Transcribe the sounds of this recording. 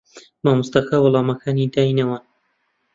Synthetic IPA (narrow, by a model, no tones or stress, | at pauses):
maːmʊst̪ɐkawʊlˠɑːmɐkʰaːnid̪aːjnɐwaːn